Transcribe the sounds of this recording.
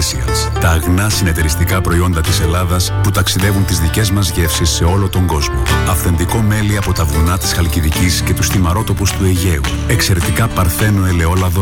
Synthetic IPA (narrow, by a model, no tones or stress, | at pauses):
siɐ̰s | t̪ɐːɣnɐsine̞t̪e̞ɾist̪ikɐpɾo̞io̞nd̪ɐt̪ise̞lɐðɐsput̪ɐksiðe̞vunt̪izðice̞zmɐzʝe̞fsisːe̞o̞lo̞t̪o̞ŋɡo̞zmo̞ɐfθe̞nd̪iko̞me̞liɐpo̞t̪ɐvunɐt̪i̥sxɐlciðicisce̞t̪usθimɐɾo̞t̪o̞pust̪ue̞ʝe̞u | e̞kse̞ɾe̞t̪ikɐpɐɾθe̞no̞ele̞o̞lɐðo